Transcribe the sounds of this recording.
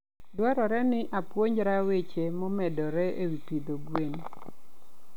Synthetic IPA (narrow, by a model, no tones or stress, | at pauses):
dwaɾɔɾɛnɪʔapwoɲd͡ʒɾawet͡ʃemɔmɛdɔɾɛʔewipid̪oɡwen